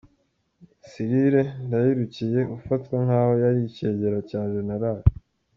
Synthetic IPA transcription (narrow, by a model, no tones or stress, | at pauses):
siɾiɾendajiɾucije̞ʔufatkwaŋ̥haːhojaɾice̞ːɟeɾacaːʒenaɾaɾi